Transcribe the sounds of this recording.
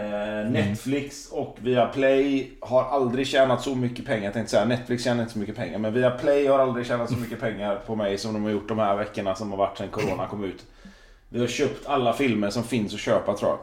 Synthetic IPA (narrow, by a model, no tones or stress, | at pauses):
nɛt̪flɪksɔkviapʰlɛjhaɾʔald̪ɾɪɡɕɛːnat̪sɔmʏkːəpʰɛŋːaɾjat̪ɛ̃ŋt̪əsɛjːanɛt̪ːflɪksɕɛːnaɾɪnt̪əsɔmʏkːəpʰɛŋːaɾmɛnviːapʰlɛjhaɾald̪ɾɪɡɕɛːnat̪sɔmʏkːəpʰɛŋːaɾpʰɔmɛjsɔmd̪ɔmhaɾjʊʈːd̪ɔmhæɾvɛkːəɳasɔmhaɾvaʈːsɛnkʰʊɾoːnakʰɔmːʉ̟ːt̪ | vɪhaɾɕøːpt̪ʰalːafɪlməɾʂɔmfɪnsɔɕøːpat̪ʰɾṵːja̰